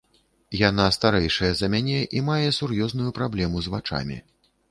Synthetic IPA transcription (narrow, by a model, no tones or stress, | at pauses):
jan̪ast̪aɾɛjʂɐjɛzɐmʲanʲɛʔimajɛsurjɔznujupɾablʲɛmuzvat͡ʂa̰mʲḭ